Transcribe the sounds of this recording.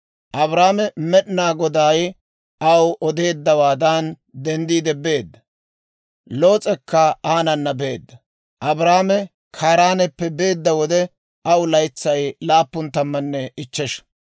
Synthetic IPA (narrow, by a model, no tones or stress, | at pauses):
ʔɐbɾaːmɛmɛɗnaːɡɔd̪aːj | ɐwʔɔd̪e̞ːd̪ːɐwaːd̪an | d̪ɛnd̪iːd̪ɛbe̞ːd̪ːɐ | lo̞ːt͡sʼɛkːɐaːnɐnːɐbe̞ːd̪ːɐ | ʔɐbɾaːmɛ | kʰaːɾaːnɛpːɛbe̞ːd̪ːɐwɔd̪ɛ | ɐwlɐjt͡sːɐjlaːpːʊnt̪ɐmːɐnːɛɪt͡ʃːɛʃ